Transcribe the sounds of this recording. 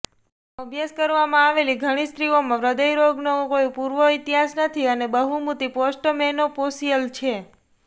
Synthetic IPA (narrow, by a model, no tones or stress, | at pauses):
əbjəskəɾʋamãaʋeliɡʱəɽ̃ist̪ɾiomãʋɾəd̪əjɾoɡnokojũpuɾʋoit̪iɦasnət̪ʰiənebəɦumut̪iposʈmɛnoposiəlt͡ʃʰe